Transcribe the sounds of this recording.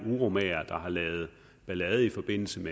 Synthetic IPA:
uʁo̝mɛ̰ɐd̥ɑ̈hɑ̈lɛːð̞̩ˠ | b̥ælɛð̞ˠifɒ̽b̥e̝n̰l̩səme

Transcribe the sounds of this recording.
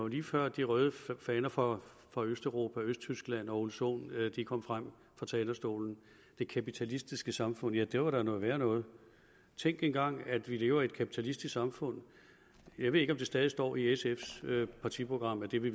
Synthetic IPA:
liːfɶɐ̰d̥iʁœːð̞ˠəfɛːnɐfʁɑ̈ | fʁɑ̈øsd̥øʁo̝ːpʰæøsd̥t͡sʰysɡ̥læn̰ɒ̽olso̝̰ːnd̥ikʰɒ̽m̰fʁam̰ | fɑ̈t͡sʰɛːnɐsd̥o̝̰ːln̩ | d̥e̝kʰæpit͡sʰælisd̥isɡ̥əsɑ̈mfɔ̽n̰jæd̥eɐʋɑ̈ɾ̥ɑ̈nɔ̽ːðˠʋæːɐnɔ̽ːð̞̩ˠ | t͡sʰeŋɡ̥enɡ̥ɑ̈ŋ̰æd̥ʋile̝ːʊɐied̥kʰæpʰi̥t͡sʰælisd̥isksɑ̈mfɔ̽n̰ | jɑaɪʋe̝ðˠeɡ̥ɒ̽md̥e̝sd̥ɛːð̞ˠisd̥ɒ̰ːiesefspʰɑ̈t͡sʰipʰʁo̝ɡ̥ʁɑ̈m̰æd̥e̝ʋe

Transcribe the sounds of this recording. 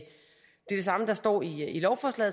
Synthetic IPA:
d̥e̝ɐd̥esɑ̈məd̥ɑ̈sd̥ɒ̰ːiilɒʊfɒːslɛ̰ːð̩ˠ

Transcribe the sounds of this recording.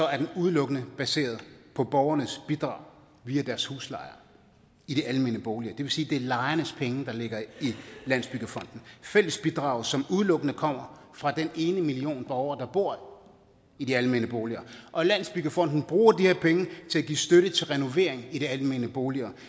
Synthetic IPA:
sɒ̽æɐd̥enuð̞ˠlɔ̽ɡ̥ənəb̥æse̝̰ːɐð̞ˠpʰɒ̽b̥ɒʊɐnəsb̥id̥ʁɑ̈ʊ | ʋiːæd̥æɐshṵːslɑ̈ɪɐ | iɾ̥eʔælme̝ːnəb̥oːʊliɐd̥e̝ʋe̝siːd̥e̝ɐlɑ̈ɪɐnəspʰeŋəd̥ɑ̈le̝ɡ̥ɐilæn̰sb̥yɡ̥əfɒ̽n̰d̥n̩fel̰əsb̥id̥ʁɑ̈ʊ̰ðˠsɒ̽muðˠlɔ̽ɡ̥ənəkʰɒ̽m̰ɐ | fʁɑ̈d̥ene̝ːnəmilio̝̰ːnb̥ɒʊɐd̥ɑ̈b̥o̝ɐ̰ | idiælme̝nəb̥o̝ːliɐʔɒ̽læn̰sb̥yɡ̥əfɒ̽n̰d̥n̩b̥ʁuːɐdihe̝ɐpʰeŋət͡sʰe̝æɡ̥ḭːsd̥øɾət͡sʰe̝lʁɛno̝ʋe̝̰ɐ̰eŋid̥eælme̝nəb̥o̝ːliɐ

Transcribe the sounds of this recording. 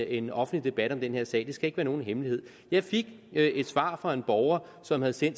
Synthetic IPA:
enɒ̽fn̩lid̥e̝b̥æɾ̥ɒ̽md̥enhe̝ɐsɛ̰ːd̥e̝sɡ̥æe̝ɡ̥ʋæːɐno̝ːn̩ɦemlihe̝ð̞̰ˠ | jɑ̈ɪfe̝ɡ̥ | e̝d̥sʋɑ̈ːfʁɑ̈e̝nb̥ɒʊɐsɒ̽mhæð̞̩ˠsen̰d̥

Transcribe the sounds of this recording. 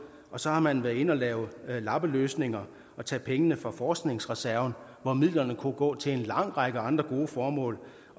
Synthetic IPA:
ɒ̽sɒ̽hɑ̈mænʋæɐe̝nɒ̽lɛːʊlɑ̈b̥əløːsne̝ŋɐ | ɒ̽t͡sʰɛ̰ːpʰeŋənəfʁɑ̈fɒːsɡ̥ne̝ŋsʁɛsæɐʊn̩ | ʋɒmið̰ˠlɐnəkʰuɡ̥ɔ̰̽ːt͡sʰe̝enlɑ̈ŋ̰ʁɑ̈ɡ̥əɑ̈nd̥ʁɐɡ̥o̝ːəfɒːmɔ̰̽ːl

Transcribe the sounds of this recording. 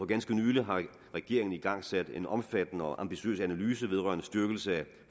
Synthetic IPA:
ɒ̽ɡ̥ænsɡ̥ənyːləɦɑ̈ | ʁɛɡ̥e̝ɐe̝ŋn̩iɡ̥ɑ̈ŋ̰sæd̥e̝nɒ̽mfæd̥ənəɒ̽ʔɑ̈mb̥iɕø̰ːsænælyːs̬əʋe̝ð̞ˠʁɶ̰ɐnəsd̥yɐɡ̥l̩səæ

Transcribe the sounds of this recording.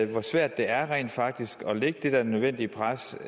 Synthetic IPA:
ʋɒsʋæɐ̰d̥ːe̝æɐʁɛ̰ːnd̥fɑ̈ɡ̥̚d̥isɡ̥ɒ̽leɡ̥əd̥e̝d̥æɐnøðˠʋen̰d̥ipʰʁas

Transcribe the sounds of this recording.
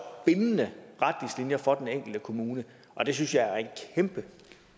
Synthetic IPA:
b̥e̝nənəʁad̥islinjɐfɒ̽d̥eneŋ̰ɡ̥l̩d̥əkʰo̝muːnə | ʔɒ̽d̥e̝s̬ynsjɑ̈æɐe̝nkʰemb̥ə

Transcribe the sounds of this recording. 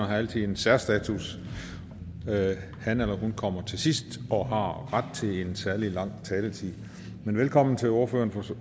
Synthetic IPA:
ɐɦɑ̈æl̰t͡sʰið̩ˠensæɐsd̥ɛːt͡sʰus | hænelɐɦunkʰɒ̽m̰ɐt͡sʰe̝sisd̥ɒ̽ɦɑ̈ʁad̥̚t͡sʰe̝le̝nsæɐlilɑ̈ŋ̰t͡sʰɛːlət͡sʰið̰ˠ | menʋelkʰɒ̽m̰n̩t͡sʰe̝o̝ɐføɐnfɒ

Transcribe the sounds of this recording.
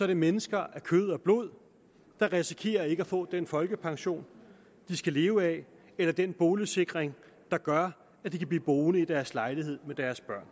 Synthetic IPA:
sɒ̽ɐɾ̥emenəsɡ̥ɐʔæɐkʰøð̞̰ˠɒ̽b̥lo̝ð̰ˠ | d̥ɑ̈ʁɛsikʰe̝̰ːɐe̝ɡ̥əæfɔ̰̽ːd̥enfɒ̽lɡ̥əpʰɑ̈ŋɕo̝̰ːn | d̥isɡ̥æle̝ːʊɛ | elɐd̥enb̥o̝ːləse̝ɡ̥ʁeŋ | d̥ɑ̈ɡ̥ɶɐ | æd̥ikʰæb̥liːb̥o̝ːnəid̥æɐslɑ̈ɪlihe̝ð̰ˠmed̥æɐsb̥ɶɐ̰n

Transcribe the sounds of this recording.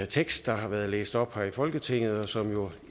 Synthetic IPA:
t͡sʰeɡ̥sd̥ɑ̈ɦɑ̈ʋæːɐð̞ˠlḛːsd̥ɒ̽b̥hɑifɒ̽lɡ̥ət͡sʰe̝ŋ̰ð̞̩ˠɒ̽sɒ̽mjo̝

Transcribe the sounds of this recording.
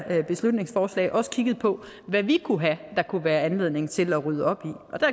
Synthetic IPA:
b̥e̝slud̥ne̝ŋsfɒːslɛ̰ɪʔɒ̽sə̥kʰiɡ̥ð̩ˠpʰɒ̽ | ʋæʋikʰuɦæd̥ɑ̈kʰuʋæːɐænle̝ð̰ˠne̝ŋt͡sʰe̝læʁyð̞ˠɒ̽b̥iʔɒ̽d̥æ

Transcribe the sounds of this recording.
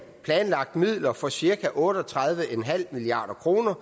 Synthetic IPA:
pʰlɛːnlɑ̈ɡ̥̚d̥mið̰ˠlɐfɒ̽siɐkʰæʔɔ̽ːɾɒt͡sʰʁɑð̞ˠʋəʔenɦæl̰miliɑ̰̈ːd̥ɐkʰʁo̝ːnɐ

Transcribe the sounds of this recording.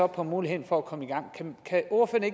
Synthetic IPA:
ɒ̽pʰɒ̽muːlihe̝ð̰ˠn̩fɒ̽ækʰɒ̽məiɡ̥ɑ̈ŋ̰kʰækʰæʔoɐføɐne̝ɡ

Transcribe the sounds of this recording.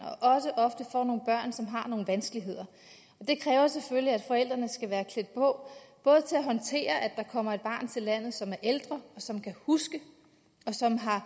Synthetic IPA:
ɒ̽ʔɒ̽səʔɒ̽fd̥əfɒ̰no̝ːn̩b̥ɶɐ̰nsɒ̽mɦɑ̈no̝ːn̩ʋænsɡ̥əliɦe̝ð̞̰ˠɐ | ɒ̽d̥e̝kʰʁɛːʊɐsefølliæd̥fɒ̽el̰d̥ʁɐnəsɡ̥æʋæːɐkʰle̝d̥̚pʰɒ̽b̥ɔ̽ːð̞̩ˠt͡sʰe̝læɦɒ̽nt͡sʰe̝̰ːɐʔæ̥ɑ̈kʰɒ̽m̰ɐed̥̚b̥ɑ̈ːnt͡sʰe̝lːæn̰ð̩ˠsɒ̽mæɐʔeld̥ʁɐɒ̽sɒ̽mkʰæhusɡ̥ə | ɒ̽sɒ̽mɦɑ̈

